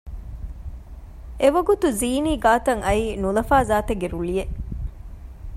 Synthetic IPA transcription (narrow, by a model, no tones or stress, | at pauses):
eʋɐɡut̪uziːniːɡaːt̪ɐŋɐiːnulɐfaːzaːt̪eɡeɾuɭije